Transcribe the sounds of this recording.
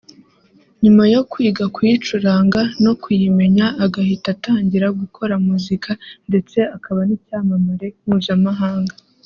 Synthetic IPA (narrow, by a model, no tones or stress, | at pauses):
ɲumajo̞kwiːɡakwuit͡ʃuɾaːŋɡano̞kujime̞ɲaːɡahitataːɲɟiɾaɡukʰo̞ɾamuzikʰande̞t͡se̞akaβanicaːmamuɾe̞muːjamaɦaːŋɡa